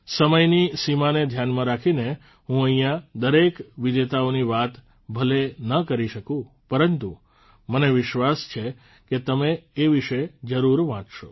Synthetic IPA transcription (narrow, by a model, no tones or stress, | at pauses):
səməjnisimaned̪ʱjanmãɾakʰine | ɦũəĩjãd̪əɾekʋɪd͡ʒ̪et̪aoniʋat̪ | bʱəlenəkəɾiʃəkũ | pəɾənt̪u | məneʋɪʃʋast͡ʃʰe | ket̪əmeːʋiʃəd͡ʒəɾuɾʋãt͡ʃʃo